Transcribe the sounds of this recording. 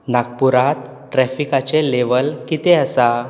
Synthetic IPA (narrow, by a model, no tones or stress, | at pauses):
naɡ̚puɾat̪ | ʈɾɛfikat͡seleʋəlkit̪eəsa